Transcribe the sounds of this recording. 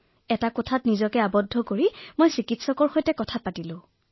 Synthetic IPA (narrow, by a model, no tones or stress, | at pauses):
ɛtakɔtʰatnizɔkɛabɔdʱːɔkoɹimojsikitsɔkɔɹxojtɛkɔtʰapatilʊ̃